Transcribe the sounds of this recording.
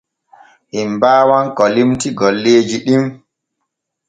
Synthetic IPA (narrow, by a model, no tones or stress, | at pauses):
himbaːwankɔlimtiɡɔlːeːd͡ʒiɗim